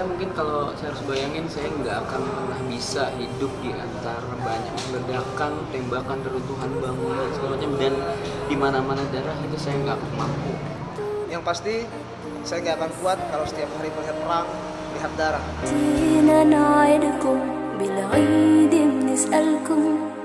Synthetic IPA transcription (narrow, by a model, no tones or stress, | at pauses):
amuŋkɪnkalosajaɾʊsbajaŋɪnsajaəŋɡaːkanpərnahbisaɦidʊp̚dia̰nt̪aɾabaɲak̚lədakant̪ɛmbakanpəlunt̪uɦanbaŋunansəəaɲadandimanamanadaɾaɦit̪usajaŋɡaːkanmampṵ | jaŋpast̪i | sajaŋɡaːkankuat̪̚kalowsə̥t̪iap̚haɾipəɦapəɾaŋ | piɦat̪̚daɾahtinanajadkʊm | bilɣadɪmnɪsʔalkʊm